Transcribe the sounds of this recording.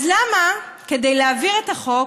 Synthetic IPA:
zlamake̞dejleaviʁetaχo̞k

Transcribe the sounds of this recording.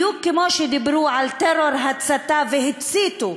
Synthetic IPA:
ukkːemoʃed̪ibɾuʕalt̪eɾoɾɦat͡sat̪aveɦɪt̪t͡sit̪u

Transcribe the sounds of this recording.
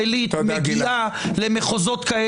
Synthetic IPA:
elit̪meɡialemeχozot̪kae

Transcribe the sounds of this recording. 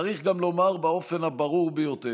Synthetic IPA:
aʁiχɡamlo̞maʁbao̞fe̞nabaʁuʁbejo̞t̪e

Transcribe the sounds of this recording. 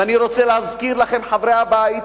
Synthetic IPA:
aniɾo̞t͡seleazkiʁlaχe̞mħavɾejabait

